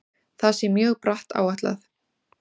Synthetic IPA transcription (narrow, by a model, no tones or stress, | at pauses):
θasɛmjœːɣpɾaht̪a̰ːwaht̪la̰θ